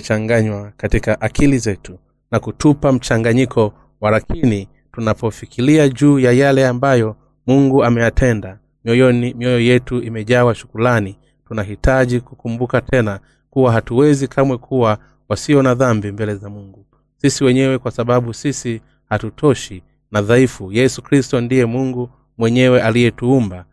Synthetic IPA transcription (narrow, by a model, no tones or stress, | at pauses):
t͡ʃaŋɡaɲwakatikaʔakʰilizɛtu | nakutʰupam̩t͡ʃaŋɡaɲikʰɔ | walakʰini | tunapɔfikiliaʄuːjajalɛambajɔ | muŋɡuamɛjatʰɛnda | mɔjɔmiɔjɔjɛtuʔimɛʄawaʃu̥kulani | tunaɦitaʄikukumbukatʰɛna | kuwaɦatuwɛzikʰamwɛkʰuwa | wasiɔnaðambimbɛlɛzamuŋɡu | sisiwɛɲɛwɛkwasaɓaɓusisi | hatutʰɔʃi | naðaifujɛsukɾistɔndijɛmuŋɡu | mwɛɲɛwɛʔalijɛtuumba